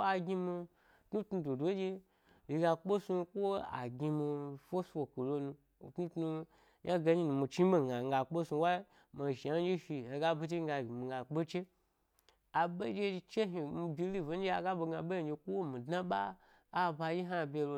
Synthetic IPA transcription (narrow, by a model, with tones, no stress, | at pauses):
a˧ɡʲi˧mi˧˨ | tnu˦tnu˧do˨dʷo˨˦d͡ʒe˦ | ji˧ɡa˧k͡po˦su˧kʷo˦a̰˨ɡʲi˧mi˧fo˦su˧wo˨ki˨lo˧nũ˧˨ | tnu˦tnu˧ | ja˦ɡa˧ɲi˦nũ˧mi˧t͡ʃi˦be˦ŋa˨ŋ˧ɡa˨k͡po˦su˧wa˦i˦ | ma˨ʒi˨ja˦d͡ʒe˦fi˧he˧ɡa˦bu˧˦t͡ʃe˦ɡa˧˨i˨mi˨ŋɡa˨k͡pe˦t͡ʃe˦ | a˨be˦d͡ʒe˦˧t͡ʃe˦ɦi˨mi˧bʲi˧li˦˨vo˨˦n˦e˦a˨ɡa˦bo˧ɡa˧be˦˧˨d͡ʒe˧kʷo˦wo˦mĩ˨dna˦ɓa̰ː˦˨ | ba˧ji˦ɦa˦˨bʲe˧lo˧